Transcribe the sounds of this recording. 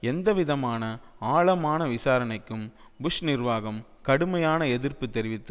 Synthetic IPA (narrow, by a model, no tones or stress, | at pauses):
ɛnd̪ɐʋɪðɐmaːnɐaːɭɐmaːnɐʋɪsaːɾɐnɐɪkːɯmbʊʂnɪɾʋaːɣɐm | kɐɽɯmɐjaːnɐɛðɪrpɯt̪ːɛɾɪʋɪt̪ːɯ